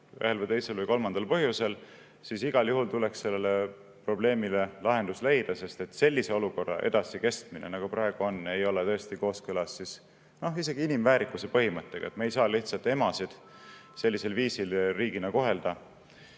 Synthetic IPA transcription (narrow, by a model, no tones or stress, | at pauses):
ø̰ɦe̞lvɨjt̪e̞jse̞lvɨjko̞lmɑnd̪̥ɑlpɤɦjusel | sisiɡ̥ɑljuɦult̪ule̞ksse̞lːe̞le | pro̞ble̞ːmile̞lɑɦe̞nd̪usle̞jd̪̥ɑse̞st̪e̞t̪se̞lːise̞o̞luko̞rːɑ̰ʔe̞̰d̪̥ɑsike̞st̪mine̞̰nɑɡ̥upɾɑe̞ɡ̥uo̞nːe̞jo̞let̪ɤ̞est̪iko̞ːskɯlɑsːis | no̞ise̞ɡ̥iinimvæːɾikːˑuse̞pɤɦimɤt̪ːe̞ɡ̥ɑ̰et̪mɑejsɑːliht̪sɑlt̪ːˑemɑsid̪̥se̞lʲːise̞lviːsilriːɡinɑko̞ɦe̞ld̪̥ɑ